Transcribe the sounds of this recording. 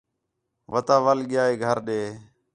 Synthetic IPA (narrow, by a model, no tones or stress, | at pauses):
ʋət̪aːʋəlɠɪjaːeːɡʱəɾɗeː